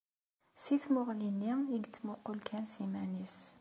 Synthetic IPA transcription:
siθmʊʁlinːiiɡt͡sːmuqːulkʰænsimænis

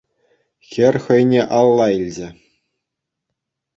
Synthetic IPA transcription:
xʲɘ̆rʲχɤ̆jnʲeʔɑlˠːɑilʲd͡ʑɘ̆

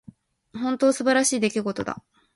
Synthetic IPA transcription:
hõ̞nt̪o̞ːsɨbaɾaɕiːd̪e̞kʲiɡo̞t̪o̞d̪a̰

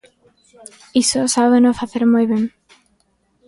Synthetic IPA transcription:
isosaβenofaθeɾmojβeŋ

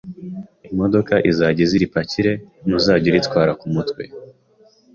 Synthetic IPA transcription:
imo̞do̞kaʔizaːɟeziɾipaciɾe̞muzaːɟiɾitkwaːɾakumutwe̞

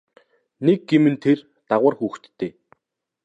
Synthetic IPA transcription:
nek̚ːɡemɘ̆nt̪ʰer | t̪aʁʊːrxuːxt̪ːeː

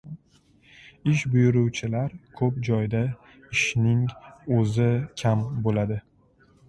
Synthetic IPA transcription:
ɪʃ̬bʊjʊɾʊwt͡ʃʰɪlaɾkʰɵp̚d͡ʒɒjd̪a | ɪʃnɪŋɵzɪkʲʰambolad̪ɪ

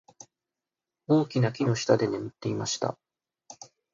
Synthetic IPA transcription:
oːkʲinakʲino̞ɕi̥t̪ad̪e̞ne̞mɯ̟t̪ːe̞imaɕi̥t̪a̰

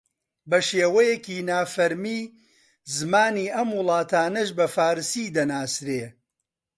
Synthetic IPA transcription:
bɐʃeːwɐjɛkiːnaːfɐɾmiː | zɨmaːniːʔɐmwʊlˠɑːt̪ʰaːnɐʃbɐfaːɾsiːd̪ɐnaːsɾeː

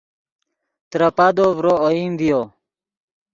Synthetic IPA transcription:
t̪ɾəpad̪ovɾooimd̪ijo

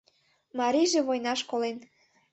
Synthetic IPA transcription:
mɑɾiʒĕβojnɑʃkolen

